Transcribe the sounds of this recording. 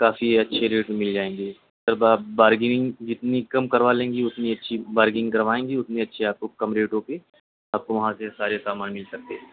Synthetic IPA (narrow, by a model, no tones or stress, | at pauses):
kaːfiɐtːʃʰeɾeːʈmɪld͡ʒaːẽːŋ̆ɡiː | sɐɾbaːbaːɾɡɪŋɪŋɡd͡ʒɪt̪nikɐmkɐɾʋalẽːŋɡiʊt̪niɐtːʃʰibaːɾɡɪ̃ŋɡkɐɾʋaːẽːŋɡiʊt̪niɐtːʃʰeaːp̚kokɐmɾeːʈõpe | aːp̚koʋɐɦãsesaːɾesaːmaːnmɪlsɐk̚t̪eɦɛ̃